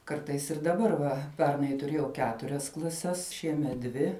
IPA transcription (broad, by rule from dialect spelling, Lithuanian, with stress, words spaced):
ˈkɐrtɐɪs ɪr dɐˈbɐr ˈʋɐ ˈpʲɛrnɐɪ tʊˈrʲeːjɛʊ ˈkʲæːtʊrʲɛs klˠɐˈsʲɛs ˈʃʲiɛmʲɛt ˈdʲʋʲɪ